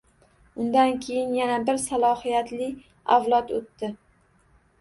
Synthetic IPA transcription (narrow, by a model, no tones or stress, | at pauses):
ʊnd̪ankʲʰe̞jɪnjanabɪɾsalˠɒhijat̪lɪ | awlˠɒt̪ot̪ːɪ